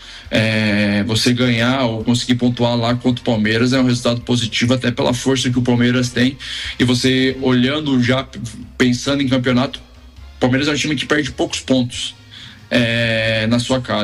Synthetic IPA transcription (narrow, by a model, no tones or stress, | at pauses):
ɛvoseɡɐ̃ɲaowkõsɪɡiɾpõnt̪ualakwɐ̃nt̪ɾʊ̥pawmeɾɐz̬ɛũhezult̪ad̪ʊpozit͡ʃivʊat̪ɛpelʔɐ̰foɾsɐk̬ɪʊpawmeɾɐs̬t̪ẽj̃ɪvoseoʎɐ̃nd̪ʊʒapẽsɐ̃nd̪ʊẽk̬ɐ̃pionat̪ʊ̥ | pawmeɾɐzɛ̃ũt͡ʃĩmɪkɪ̥pɛɾd͡ʒɪpowkʊ̥spõnt̪ʊ̥s | ɛnɐsuɐkaz